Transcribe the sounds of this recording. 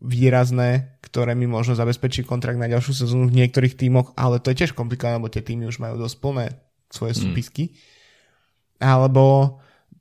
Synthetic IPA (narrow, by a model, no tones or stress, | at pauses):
ʋiːɾaznɛːkt̪ɔɾɛːmimʊɔʒnɔzabɛspɛt͡ʃikɔnt̪ɾaɡ̚d̪naɟalʃjuːs̬ɛzɔːnuvɲɪɛkt̪ɔɾiːxt̪iːmɔɣʔa̰lɛt̪ɔjɛcɪɛʃkɔmplikɔʋanɛlɛbɔt̪ɪɛt̪iːmiuʒmajṵːd̪ɔsc̚pl̩nɛː | sʋɔjɛsuːpiski | ʔalɛbɔ